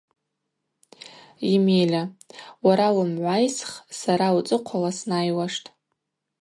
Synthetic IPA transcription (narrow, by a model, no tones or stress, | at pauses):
imelʲawaɾawʊmʕʷajsχsaɾaut͡sʼɨqʷʰalasnajwaʂtʼ